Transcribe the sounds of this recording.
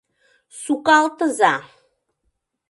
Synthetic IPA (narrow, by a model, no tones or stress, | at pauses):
sukɑlt̪ʰəza